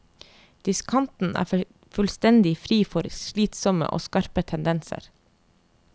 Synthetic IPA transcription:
d̪̥ɪskʰɑnt̪n̩ʔæ̰ː | fʉlst̪ɛnd̪ɪfɾiːfɔɾʃɭiːt̪sɔmə̰ʔo̰ːskɑɾpət̪ʰɛnd̪ɛnsə̰ɾ

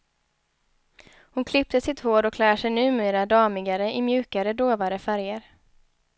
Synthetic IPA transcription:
hʊnkʰlɪp̚t̪əsɪt̪hoːɖɔkʰlæːʂɛjnʉ̟ːmeːɾad̪ɑːmɪɡaɾəʔɪmjʉ̟ːkaɾəd̪oːvaɾəfæɾjəɾ

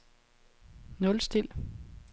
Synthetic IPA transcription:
nɔ̽lsd̥il̰

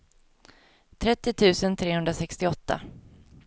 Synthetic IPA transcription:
t̪ʰɾɛt̪ːɪt̪ʰʉ̟ːsənt̪ʰɾeːhɵnd̪ɾasɛkst̪ɪɔt̪ːa̰

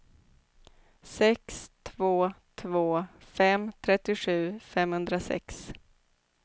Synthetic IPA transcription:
sɛkst̪ʰvoːt̪ʰvoːfɛmt̪ʰɾɛt̪ːɪɧʉ̟ːfɛmhɵnd̪ɾasɛ̰ks

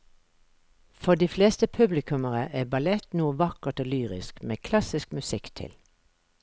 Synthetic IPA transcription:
fɔd̪iːfleːst̪əpʰʉblɪkʰʉməʁəʔæːbɑlɛt̪nuːəʋɑkəʁt̪oːlyːʁɪ̰skmeːkʰlɑsɪskmʉsɪkt̪ʰɪ̰l

